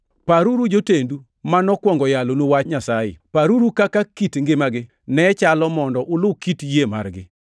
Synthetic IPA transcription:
paɾuɾud͡ʒotendu | manɔkwɔŋɡɔjalonowat͡ʃɲasajɪ̰paɾuɾukakakitŋɡɪmaɡɪ | nɛt͡ʃalɔmɔndɔʔʊlʊkitjema̰rɡɪ̰

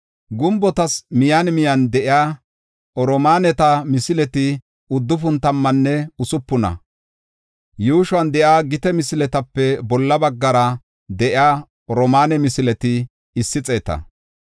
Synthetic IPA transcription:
ɡʊmbɔt̪ɐsmɪjanmɪjɐnd̪ɛʔɪjaː | ɔɾɔmaːnɛt̪ɐmɪsɪlɛt̪ɪ | ʊd̪ːʊfʊnt̪ɐmːɐnːɛʊsʊpːʊnɐ̰ | juːʃwɐnd̪ɛʔaːɡɪt̪ɛmɪsɪlɛt̪ɐpːɛbɔlːɐbɐɡːɐɾɐ | d̪ɛʔɪaː | ɔɾɔmaːnɛmɪsɪlɛt̪ɪ | ɪsːɪt͡sʼe̞ːt̪ɐ̰

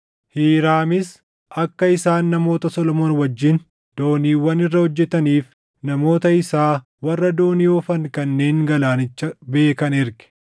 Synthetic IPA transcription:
hiːɾaːmɪs | ɐkːɐɪsaːnːɐmo̞ːt̪ɐsɔlɔmoːnwɐd͡ʒːɪn | d̪̥o̞ːniːwːɐnɪrːɐhɔd͡ʒːɛt̪ɐniːf | nɐmo̞ːt̪ɐɪsaː | wɐrːɐd̪o̞ːniɔfɐŋkɐnːe̞ːŋɡɐlaːnɪt͡ʃːɐbe̞ːkɐnɪɾɡɛ̥

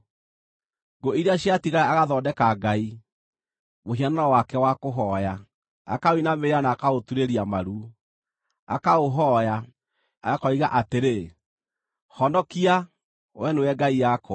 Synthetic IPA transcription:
ɡoiɾeaɕiatiɣaaaɣaðɔːdɛkaɡai | moɦianaɾɔwakɛwakoɦɔja | a̰kaoinameeanaːkaotuɾeɾiamaɾu | a̰kaoɦɔja | akɔiɣaʔateɾe | hɔndɔkia | wɛnoɛɡaijakɔ

